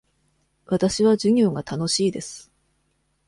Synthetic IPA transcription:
βat̪aɕiβad͡ʑɨɲ̟ʲo̞ːɡat̪ano̞ɕiːd̪e̞sɨ̥

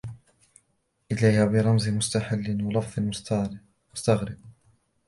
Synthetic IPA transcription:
ʔɪlajhabɪɾˤɑmzmʊst̪aħalːɪnwɑlɑfðˤɪmʊt̪ | mʊst̪aɣɾɪb̚

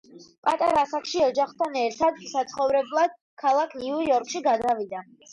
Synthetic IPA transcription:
pʼat̪ʼaɾasakʰʃiɔd͡ʒaχt̪ʰanɛɾt̪ʰad̪sat̪sʰχɔvɾɛblˠad̪̥̚ | kʰalˠakʰniujɔɾkʼʃiɡad̪avid̪a

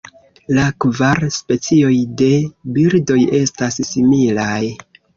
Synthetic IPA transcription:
lakvaɾspe̞t͡sio̞jde̞biɾdo̞je̞stasːimilaj

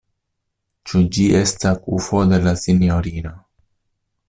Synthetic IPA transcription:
t͡ʃud͡ʒiʔestakṵfod̪elasinjoɾino

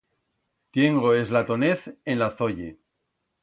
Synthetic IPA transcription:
t̪je̞ŋɡoezlat̪oneθẽnlaθoʎe

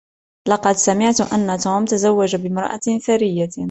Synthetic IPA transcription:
lɑqɑd̪samɪʕt̪ʔanːat̪uːmt̪azawːad͡ʒabɪmɾˤɑ̰ʔa̰θaɾɪjːa

